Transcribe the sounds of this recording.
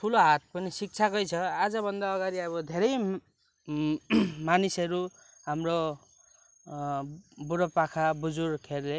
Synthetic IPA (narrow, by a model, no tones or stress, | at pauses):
tʰuloɦat̪̚pʌnisik̚t͡sʰakʌjt͡sʰʌad͡zʌbʱʌnd̪aʌɡaɾiʌbʌd̪ʱeɾʌj | manisʌɾu | ɦamro | buɾʌpakʰabud͡zurkʰerle